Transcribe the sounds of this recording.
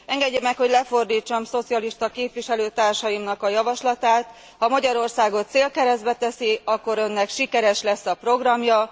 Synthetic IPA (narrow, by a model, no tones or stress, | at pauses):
ɛŋɡɛɟːemɛkho̞ɟlɛfo̞rd̪iːt͡ʃːɒmso̞t̪sijɒliʃt̪ɒkeːpʋiʃɛløːt̪aːrʃɒjimnɒkɒjɒvɒʃlɒt̪aːt̪ | hɒmɒɟɒɾo̞rsaːɡo̞t̪seːlkɛɾɛzd̪bɛt̪ɛsiɒkːo̞ɾø̞nːɛkʃikɛɾɛʃlɛsːɒpro̞ɡrɒmjɒ